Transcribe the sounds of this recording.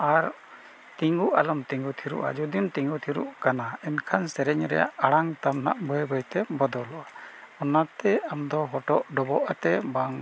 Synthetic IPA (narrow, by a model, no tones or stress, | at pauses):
aɾ | t̪iŋɡuʔalɔmt̪iŋɡut̪ʰiɾṵʔa̰d͡ʒud̪imt̪iŋɡut̪ʰiɾṵʔkanaɛnkʰansɛɾɛɲɾɛ̰ja̰ʔaɽaŋt̪amna̰ʔbɔjbəjt̪ɛbɔd̪ɔlɔʔaɔnat̪ɛamd̪ɔɦɔʈɔʔɖɔbɔʔat̪ɛbaŋ